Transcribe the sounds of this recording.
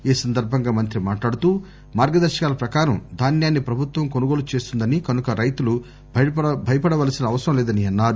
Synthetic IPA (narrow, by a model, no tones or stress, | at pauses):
iːsɐnd̪ɐɾbʱɐŋɡaːmɐnt̪ɾimaːʈlaːɽut̪uː | maːɾɡɐd̪ɐɾʃɐ̥kaːlɐpɾɐkaːɾɐmd̪ʱaːnjaːnːipɾɐbʱut̪ʋɐmkonuɡo̞ːlut͡ʃe̞ːst̪und̪ɐnikɐnukɐɾɐjt̪ulu | bʱɐjɐpɐɽɐʋaːlɐsinɐːʋɐsɐɾɐmlɛːd̪ɐniɐnːaːɾu